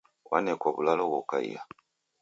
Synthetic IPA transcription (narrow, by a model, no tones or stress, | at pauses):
wʔa̰nekwoβulalowoka̰j̰ja̰